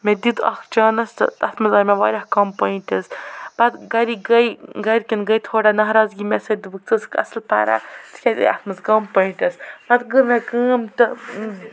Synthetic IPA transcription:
med̪id̪ɐ̰kt͡ʃaːnɐst̪ɨ̰ɐt̪ʰmɐzɐːmʲeʋaːɾʲɐhkɐmpɐiɳʈɐsb̥ɐt̪ɡɐɾiɡɐjɡɐɾʲkʲɐnɡɐjt̪ʰoːɽaːnɐɦɾaːzɡimesɐd͡ʒd̪ɨbɨk̚t͡sɨskɐ̰slpa̰ːɾa̰ːskʲad̪̰ɐ̰t̪ʰmɐzɡɐmpɐiɳʈɐsbɐt̪ɡɨmekɨːmt̪ɨ

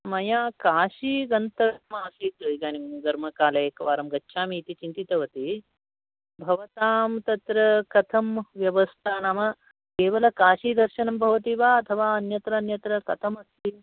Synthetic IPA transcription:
mɐjaːkaːʃiɡɐnt̪ɐmaːsit̪iɡaːnimɡ̪ɐɾmɐkaːlɐeːkɐʋaːɾɐmɡɐtːʃʰaːmiːt̪it͡ʃint̪it̪ɐʋɐt̪i | bʱɐʋɐt̪aːmt̪ɐt̪ɾɐkɐt̪ʰɐmʋjɐʋɐst̪ʰaːnaːmɐ | keːʋɐlɐkaːʃiːd̪ɐɾʃɐnɐmbʱɐʋɐt̪iːʋaːɐt̪ʰɐʋaːɐnjɐt̪ɾɐːnjɐt̪ɾɐkɐt̪ʰɐmɐsi

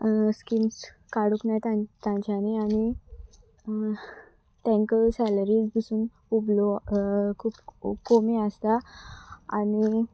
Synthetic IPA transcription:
skims | kaɽuknajt̪ãt̪ãɲt͡ɕaneañi | t̪ɛ̃ŋkəsɛləɾiːd͡zb̪isuːn | ublokʰuːpkomiəst̪a | ani

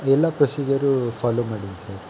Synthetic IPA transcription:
ɛlːɐpɾɐsiːd͡ʒɐɾufʰaːloːmaːɽinsɐɾ

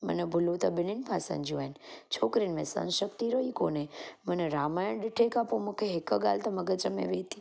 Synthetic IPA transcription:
mə̰nebʱulut̪ɐbɪninpʰasə̰nd͡ʒuent͡ʃʰoːkɾinmḛ̃sə̰̃nʃək̚t̪iɾoikoneməneɾaːmajəɳɖɪʈʰekapomə̃kʰeɦekəɡa̰lt̪ɐməɡət͡ʃəmḛ̃ʋeːt̪i

